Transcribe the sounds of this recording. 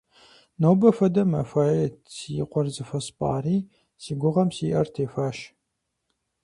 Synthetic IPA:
nowbɐfɐdɐmɐfaːjet͡sijqʷʼɔrzɨfɐspʼa̰ːriː | siːɡʷʊʁɐmsiːʔɐrtʰeːfaːʃ

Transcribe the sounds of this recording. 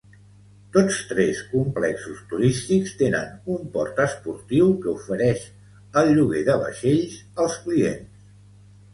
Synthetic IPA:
t̪ot͡st̪ɾɛskumplɛksust̪uɾist̪ikst̪enə̰numpɔ̰ɾt̪əspuɾt̪iwkəufəɾɛʃ | əlˠʎuɣeðəβə̰ʃeʎzəlˠskliens

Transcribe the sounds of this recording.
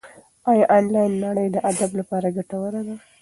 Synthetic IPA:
ɑjɑʔɑnlɑjnːaɽəjd̪əʔad̪ablapɑɾaɡaʈawəɾad̪a

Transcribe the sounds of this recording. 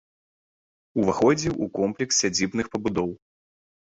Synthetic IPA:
uvaxɔd͡zʲiwʔukɔmplʲɛkssʲad͡zʲibnɨxpɐbud̪ɔw

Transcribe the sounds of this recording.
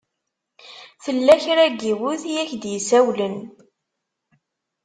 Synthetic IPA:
θəlːæçɾæɡiwuθjæçd̪jəsæwlən

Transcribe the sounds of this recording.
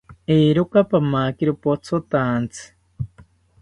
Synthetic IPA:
eːɾokapamakiɾopot͡sʰot̪ant͡sʰɨ̥

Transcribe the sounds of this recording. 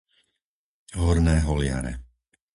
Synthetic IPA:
ɦɔɾnɛːɦɔlɪa̰ɾɛ̰

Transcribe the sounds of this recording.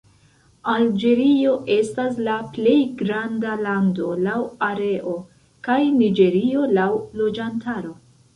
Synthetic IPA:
ald͡ʒe̞ɾio̞ʔe̞staslaple̞jɡɾandalando̞lawaɾe̞ʔo̞ | kajnid͡ʒe̞ɾio̞lawlo̞d͡ʒantaɾo̞

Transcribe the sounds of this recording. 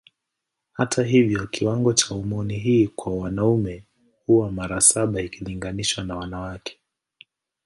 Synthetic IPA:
hatʰaɦivjɔkiwaŋɡɔt͡ʃaumɔniɦiːkwawanaumɛ | huwamaɾasaɓaikʰiliŋɡaniʃwanawanawakʰɛ̥

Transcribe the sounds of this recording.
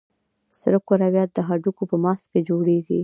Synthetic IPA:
sɾəkoɾawjɑt̪̚d̪əɦaɖukopəmɑsked͡ʒoɽeɡḭ

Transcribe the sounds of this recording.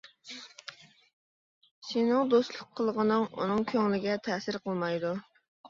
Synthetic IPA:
sɪnɪŋd̪ost̪lˠʊqʰːəlˠʁənɨŋʔṵnɨŋkʲʰøŋlɪɡʲɛt̪ʰɛsɪɾqəlˠmɑjd̪u

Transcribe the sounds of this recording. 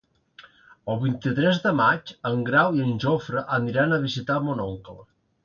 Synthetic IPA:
əlˠβint̪it̪ɾɛzðəmat͡ʃəŋɡɾawiənʲʒofɾəʔːniɾanəβizit̪amonɔŋklə

